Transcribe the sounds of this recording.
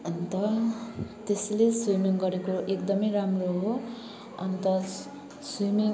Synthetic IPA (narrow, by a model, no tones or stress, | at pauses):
ʌnt̪ʌ | t̪esleswimiŋɡʌɾekoʔekd̪ʌmʌjramroɦo | ʌ̰nt̪ʌ | swimiŋ